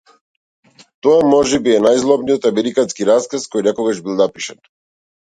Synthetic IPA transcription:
t̪ɔamɔʒɛbiɛnajzlˠɔbnijɔt̪amɛɾikanskiɾaskaskɔjnɛkɔɡaʒbilˠnapiʃan

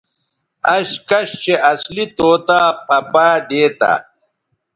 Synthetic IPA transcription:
ɐɕkɐɕt͡ɕeʔɐslit̪oːt̪aːpɐpaːd̪eːt̪a̰

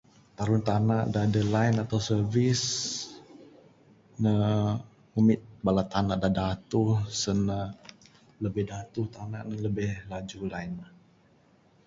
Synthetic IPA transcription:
t̪aɾʊnt̪anaʔdadəlainat̪awsərvɪs | nə | umɪt̪̚balat̪anaʔdadat̪usəna | ləbɪhdat̪uht̪anaʔnənləbɪhlad͡ʒulaina

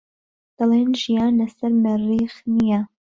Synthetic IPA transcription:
d̪̥ɑleːnʒijaːnlɐsɐɾmɨriːxnija

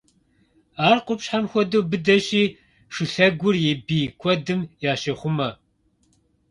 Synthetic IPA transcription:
aːrqʷʼʊpɕħamxʷɔduːbɨdɐɕiː | ʂʊɬɐɡʷʊrjɛbiːkʷʰɔdɨmjaːʃɐχʷʊmɐ

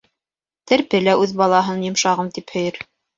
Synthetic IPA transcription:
t̪ɘɾpɘlæʔʉðbɑlˠɑɦɤnjŏmʃɑʁɤmt̪iphɵ̆jɘɾ

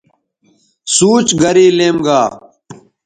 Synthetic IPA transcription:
suːt͡ʃɡɐɾiːleːmɡaː

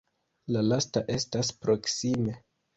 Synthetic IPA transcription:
lalastaʔe̞staspɾo̞ksime̞

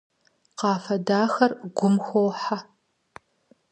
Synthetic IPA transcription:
qɑːfɐdaːxɐrɡʷʊmxʷowħa

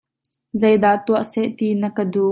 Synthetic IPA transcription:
zejd̪aːt̪uəʔsɛʔt̪iːnəkədu

